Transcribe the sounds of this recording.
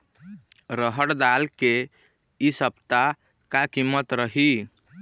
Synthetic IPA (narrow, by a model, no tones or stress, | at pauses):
ɾəɦəɽd̪alke | isəbt̪a | kakimːət̪ɾəɦi